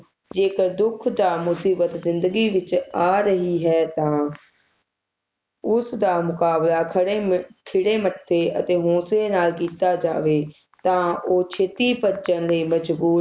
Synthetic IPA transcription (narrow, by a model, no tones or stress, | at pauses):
d͡ʒeːkəɾd̪ʊkʰd̪aːmʊsiːbət̪zɪnd̪əɡiːʋɪt͡ʃaːɾəɦiːɦɛːt̪ãː | ʊsd̪aːmʊkaːblaːkʰəɽkʰɪɽeːməʈʰːeːət̪eːɦõːseːnaːlkiːt̪aːd͡ʒaːʋeː | t̪ãːoːt͡ʃʰeːt̪iːpəd͡ʒənləiːməd͡ʒbuː